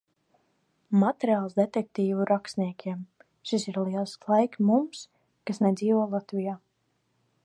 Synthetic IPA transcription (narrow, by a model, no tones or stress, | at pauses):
mat̪ɛɾiaːlˠsd̪et̪ɛk̚t̪iːvuɾakst̪niɛkʰʲiɛm | ʃisiɾliɛlˠsklˠajkmums | kasnɛd̪ziːvɔɔlˠat̪vijaː